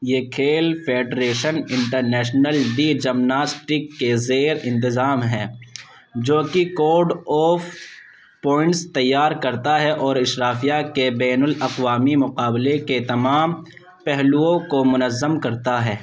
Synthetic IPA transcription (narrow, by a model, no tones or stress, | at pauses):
jeːkʰeːlfʰeːɖɾeːʃənɪ̃ɳʈəɾnɛːʃnəlɖiːd͡ʒɐmnaːsʈɪkːezeːɾɪ̃nt̪ɪzaːmɦɛ̃ː | d͡ʒoːkikoːɾɖɔːf | pɔːɪ̃ɳʈst̪ɐjːaːɾkɐɾt̪aɦɛʔɔːɾɪʃɾaːfijakebɛːnəlɐqʋaːmimʊqaːbleket̪ɐmaːm | pɛɦluõkomʊnəzːəmkɐɾt̪aɦɛː